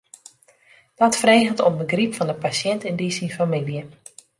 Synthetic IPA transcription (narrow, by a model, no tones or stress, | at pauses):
d̥ɔtfreːɣəntɔmbəɡripfɑndəpasjɛntɪndiːsinfamiljə